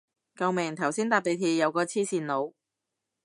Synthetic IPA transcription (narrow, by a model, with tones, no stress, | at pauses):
kɐ˧wmɛː˨˩ŋt̪ʰɐ˨˩wsiː˥nt̪aː˧p̚t̪e˨˧jt̪ʰiː˧jɐ˨˧wkɔː˧t͡sʰiː˥siː˧nlo˨˧w